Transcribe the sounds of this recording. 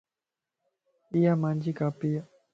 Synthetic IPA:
ijamand͡ʒikapija

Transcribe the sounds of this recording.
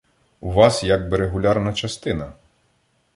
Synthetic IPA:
uʋɑsjɐɡ̚bɪɾeɦʊlʲarnɐt͡ʃɐst̪ɪnɐ

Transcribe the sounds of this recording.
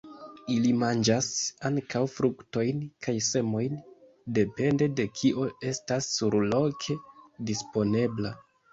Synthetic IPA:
ilimand͡ʒasaŋkawfɾukto̞jnkʰajse̞mo̞jn | de̞pe̞nde̞de̞kʰiʔo̞e̞stasːuɾlo̞kʰe̞dispo̞ne̞bla

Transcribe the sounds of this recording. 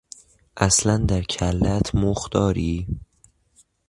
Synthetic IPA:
ʔæslænd̪æɾcʰælːæt̪ʰmoxd̪̥ɒːɾiː

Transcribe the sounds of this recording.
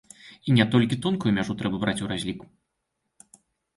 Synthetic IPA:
inʲɛt̪ɔlʲkʲit̪unkujumʲaʐut̪ɾɛbɐbɾʔat͡sʲuɾazʲlʲiku

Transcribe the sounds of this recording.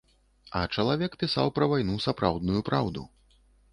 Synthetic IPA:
ɐ̰t͡ʂɐlˠavʲɛkpʲisa̰wpɾɐvajnusapɾʔawd̪nujupɾawd̪ṵ

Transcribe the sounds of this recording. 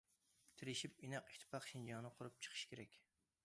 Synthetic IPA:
t̪ʰɪɾɪʃipinæqi̥kʲt̪ʰɨ̥pʰɑχʃind͡ʒɑnɨqʰʊɾup̚t͡ʃʰə̥qʰɨ̥ʃkʲʰeɾɛkʲ

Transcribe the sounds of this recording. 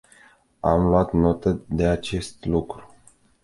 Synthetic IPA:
amlwat̪no̞t̪əd̪e̞at͡ʃe̞st̪lukɾu

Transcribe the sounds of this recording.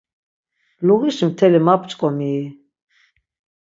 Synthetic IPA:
luɣiʃmt̪ʰɛlimapʰt͡ʃʼkʼɔmiː

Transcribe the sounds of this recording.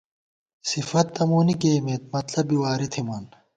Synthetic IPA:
sifɐt̪ːɐmuːnikeːmeːt̪̚mɐt̪lɐbiwaːɾit̪ʰimɐn

